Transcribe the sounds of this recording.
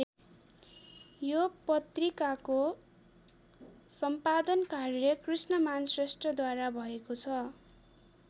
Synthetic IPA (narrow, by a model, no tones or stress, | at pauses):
jopʌt̪rikako | sʌmpad̪ʌnkarjʌkrisnʌmansrʌsʈrʌd̪waɾabʱʌekot͡sʰʌ